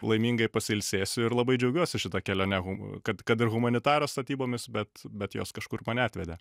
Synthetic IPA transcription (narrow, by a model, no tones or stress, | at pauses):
lˠɐɪmʲiːŋɡɐɪpɐsʲɪɪlʲsʲeːsʲʊɪɾlˠɐbɐɪd͡ʒʲɛʊɡʲuɔsʲɪʃʲɪt̪ɐkʲɛlʲoːnʲɛɣʊkɐt̪kɐt̪ɪrɣʊmɐnʲɪt̪ɑːɾoːst̪ɐt̪ʲiːboːmʲɪsbʲɛt̪bʲɛt̪jo̰ːskɐʃkʊrmɐːnʲɛɑːt̪ʲʋʲɛd̪ʲɛ